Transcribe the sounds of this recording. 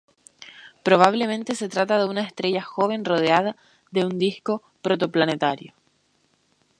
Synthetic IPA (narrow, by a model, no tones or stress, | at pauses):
pɾo̞β̞aβ̞le̞mẽ̞nt̪e̞se̞t̪ɾat̪aðeunaest̪ɾe̞ʝaxo̞βe̞nro̞ð̞eaða | ðe̞und̪isko̞ | pɾo̞t̪̬o̞planet̪aɾjo̞